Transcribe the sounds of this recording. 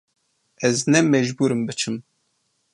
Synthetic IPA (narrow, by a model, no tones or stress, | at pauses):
ɛznɛmɛʒbuɾɨmbɨt͡ʃʰɨm